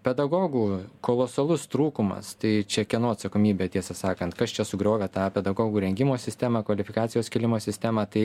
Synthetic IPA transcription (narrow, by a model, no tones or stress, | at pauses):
pʲɛd̪ɐɡoːɡuːkoːlˠoːsɐlˠʊst̪ɾuːkʊmɐ̰st̪ɐɪt͡ʃʲɛkʲɛnoːɐt̪sɐkoːmʲiːbʲet̪ʲiɛsɐsɑːkɐnt̪kɐst͡ʃʲɛsʊɡɾʲoːʋʲɛt̪ɑːpʲɛd̪ɐɡoːɡuːɾʲɛŋʲɡʲɪmoːsʲɪsʲt̪ʲæːmɑːkʋɐlʲɪfʲɪkɑːt̪sʲɪjoːskʲɪlʲɪmoːsʲɪsʲt̪ʲæːmɑːt̪ɐɪ